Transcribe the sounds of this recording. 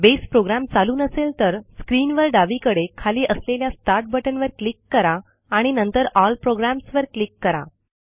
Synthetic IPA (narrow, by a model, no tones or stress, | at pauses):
bespɾoɡɾamt͡saluːnəselt̪əɾskɾiːnʋəɾɖaʋiːkəɽekʰaliːʔəsleljast̪aɾʈ̚bəʈənʋəɾklikːəɾaː | ɽ̃inənt̪əɾɔlpɾoɡɾamsʋəɾklikːəɾa̰